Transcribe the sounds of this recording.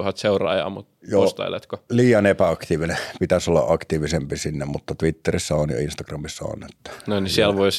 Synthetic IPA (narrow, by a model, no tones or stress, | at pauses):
uhɑt̪seurɑ̰ˑːjɑ̰ːmut̪joost̪ɑ̰ilḛt̪koliːjɑnepæɑkt̪iːʋinepit̪æsolːɑ̰ʔʔɑkt̪iːʋisempisinːemmut̪ːɑt̪ʋit̪ːerisːɑonjo̰inst̪ɑkrɑmisːɑo̰net̪ːɑ̥nonisiælʋois